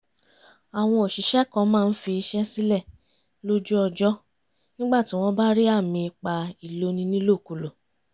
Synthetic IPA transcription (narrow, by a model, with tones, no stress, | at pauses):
a˨w̃ɔ̃˧o˨ʃi˨ʃɛ˦kɔ̃˨˧˦mãː˦˧˨n̩˦fi˧i˧ʃɛ˦si˦lɛ˦˨ | lo˦d͡ʒu˦ɔ˧d͡ʒɔ˦ | nĩ˦ɡ͡ba˦˨ti˨˦w̃ɔ̃˧ba˦ɾi˦a˦˨mĩ˧k͡pa˧i˨lo˧˦nĩ˧nĩ˦lo˦˨ku˨lo˨